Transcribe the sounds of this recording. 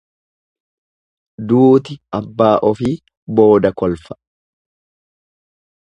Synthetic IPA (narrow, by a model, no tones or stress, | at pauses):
d̪uːt̪ɪʔɐbːaːʔɔfɪ | bo̞ːd̪ɐkɔlfɐ̥